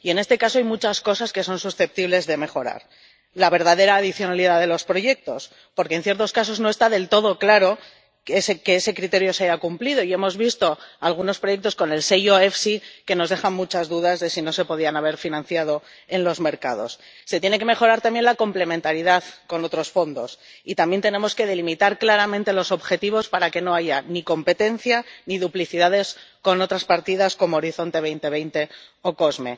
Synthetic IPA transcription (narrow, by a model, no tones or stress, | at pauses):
ie̞ne̞st̪e̞kasoajmut͡ʃasko̞saske̞s̬o̞nsusθe̞p̚t̪iβle̞zðe̞me̞xo̞ɾa̰ɾ | laβ̞e̞ɾðaðe̞ɾaːðiθjo̞naliðaðe̞lo̞spɾo̞ʝe̞k̚t̪o̞s | poɾkenθje̞ɾt̪o̞skaso̞znoe̞st̪aðe̞lt̪o̞ð̞o̞klaɾo̞ | esekeese̞kɾit̪e̞ɾjo̞seaʝakumpliðo̞ie̞mo̞zβist̪o̞alɣ̞uno̞spɾo̞je̞k̚t̪o̞sko̞ne̞lse̞jo̞e̞fsike̞no̞zðe̞xanmut͡ʃazðuðazðe̞sino̞se̞po̞ð̞ianaβ̞e̞ɾfinãn̟θjað̞o̞ | e̞nlo̞zme̞ɾkaðo̞̰sː | et̪jene̞ke̞me̞xo̞ɾaɾt̪ambje̞nlako̞mple̞ment̪aɾiðaðko̞no̞t̪ɾo̞sfo̞nd̪o̞sit̪ambje̞nt̪enẽ̞mo̞ske̞ðe̞limit̪aɾklaɾamẽ̞nt̪e̞lo̞so̞βxe̞t̪iβo̞spaɾake̞no̞aʝaniko̞mpe̞t̪e̞n̟θjaniðupliθiðað̞e̞sko̞no̞t̪ɾaspaɾt̪iðasko̞mo̞ːɾiθo̞nt̪e̞βe̞jnt̪e̞β̞e̞jnt̪e̞o̞ko̞zme̞̰